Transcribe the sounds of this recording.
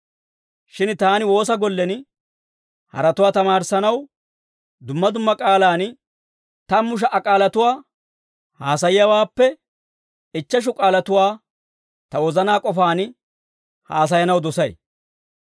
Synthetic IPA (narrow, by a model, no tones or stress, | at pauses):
ʃɪnt̪aːnɪwo̞ːs̬ɐɡɔlːɛn | hɐ̰ɾɐt̪ʊwaːt̪ɐmaːɾsɐnɐw | d̪ʊmːɐd̪ʊmːɐkʼaːlaːn | t̪ɐmːʊʃ̬ɐʔɐkʼaːlɐt̪ʊwaː | haːs̬ɐjɪjɐwaːpːɛ | ɪt͡ʃːɐʃ̬ʊkʼaːlɐt̪ʊwaː | t̪ɐwɔzɐnaːkʼɔfaːn | haːs̬ɐjɐnɐwd̪ɔsɐj